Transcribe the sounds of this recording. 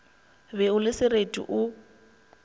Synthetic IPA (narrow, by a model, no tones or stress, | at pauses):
bɛʊlɪsɪretʼḭʔʊ